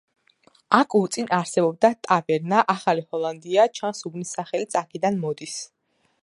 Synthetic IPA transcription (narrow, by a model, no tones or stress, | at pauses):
akʰʼut̪sʼinaɾsɛbɔb̚d̪at̪ʼavɛɾnaʔaχalihɔlˠand̪iat͡ʃʰansubnisaχɛlit̪sʰakʰid̪anmɔd̪is